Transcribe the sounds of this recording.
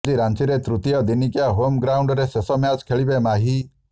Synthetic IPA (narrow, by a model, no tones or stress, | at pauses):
d͡ʒiɾant͡ʃiɾet̪ɾut̪ijɔd̪inikjaɦomɡɾauɳɖɔɾesesɔmjad͡ʒkʰeɭibemaɦi